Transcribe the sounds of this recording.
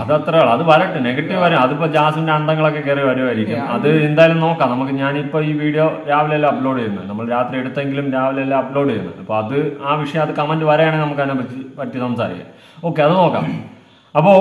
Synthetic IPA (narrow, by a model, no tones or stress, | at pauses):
ɐðɨɐt̪rɐjaːɭɐðɨʋɐɾɐʈːɨne̞ɣɐʈːiʋʋɐɾɐjɐðipːoːd͡ʑaːsindeɐnd̪ɐŋːɐɭo̞kːe̞kirijʋɐɾjoaːjiɾikʲːumɐðɨend̪aːjilumno̞ːkːaːmnɐmukːɨɲaːnipːo̞ːiːʋiːɽijo̞ɾaːʋilejlːɐɐploːɽijɾunːɨ̰nɐmːɐɭɾaːt̪rie̞ɽut̪ːe̞ŋɡilumɾaːʋɐlejɐlːaɐplo̞ːɽiɾunːɨ̰ɐ̰pːoːɐðɨaːʋiʂɐjɐmɐðɨkɐmendɨʋɐɾɐjaːɳenɐmukːɐinepɐt͡ɕːipɐtːisɐmsa̰ːɾḭkʲːa̰m | okːe̞ɐðɨnoːkːa̰ːm | ɐpːo̞ː